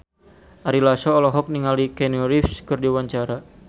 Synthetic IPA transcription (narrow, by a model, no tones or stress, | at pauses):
ʔaɾilasɔːlɔɦɔk̚niŋalikɛnuɾifskɨrdiwaɲt͡ʃaɾa